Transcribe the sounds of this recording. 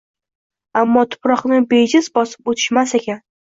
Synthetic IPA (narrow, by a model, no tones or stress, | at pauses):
amːɒt̪ʰʊ̥pɾɒqnɪbed͡ʒɪzbɒsɪ̥pot̪ʰɪ̥ʃmasekʲan